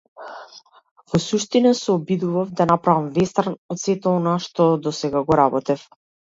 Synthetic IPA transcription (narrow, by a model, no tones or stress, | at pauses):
vɔsuʃt̪inasɛɔbid̪uvafd̪anapɾavamvɛst̪aɾnɔt̪sɛt̪ɛɔnaʃt̪ɔd̪ɔsɛɡaɡɔɾabɔt̪ɛf